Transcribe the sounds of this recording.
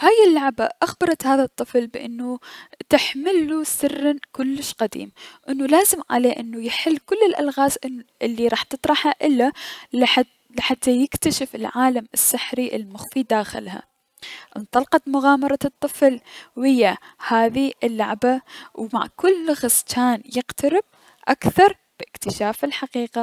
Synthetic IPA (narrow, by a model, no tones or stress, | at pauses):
haːjɪlːaʕbaʔaxbɑɾˤɑt̪haːðat̪ˤːɨflbʔɪnːut̪ɪħmɪlːusɪrːakʊlːɪʃqad̪ḭːmʔɪnːulaːzɪmʕa̰leːʔɪnːujɪħɪlːkʊlːɪlʔa̰lɣaːzʔɪlːiɾˤɑːħt̪ɨt̪ˤɾˤɑħhaʔɪlːalħa | lɪħat̪ʰːajɪkt̪aʃɪfɪlʕaːlamɪsːaħɾiʔɪ̰lmʊxfid̪aːxɪ̰lha̰ | ʔɪnt̪ˤɑlqɑt̪mʊɣɑːmɑɾˤɑt̪ˤːɨflwhɪjːahaːðiɪlːaʕbawma̰ʕkʊlːɣast͡ʃaːnjɪqt̪aɾɪb̚ | ʔakθɑɾˤ | b̥ʔɪkt̪ɪʃaːfɪlħaqiːqa